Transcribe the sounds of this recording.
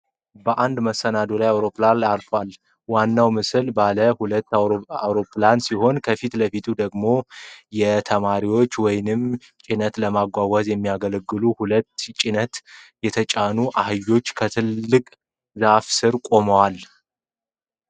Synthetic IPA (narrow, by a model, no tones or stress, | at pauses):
bəʔand̪məsːənad̪olajawɾo̞planalfwal | wanːawmɨsɨlbaləhulət̪ːawɾo̞plansiho̞nkʰəfit̪ləfit̪ʰud̪əɡmo̞jɛt̪ʰəmaɾiwo̞t͡ʃːwɔjnɨm | t͡ʃʼinət̪ləmaɡʷawəzjɛmːijaɡələɡːɨluhulət̪ːt͡ʃʼinət̪jɛt̪ʰət͡ʃʼanuʔahɨjːo̞t͡ʃːkʰət̪ʰɨlːɨkʼ | zafsɨɾkʼo̞məwal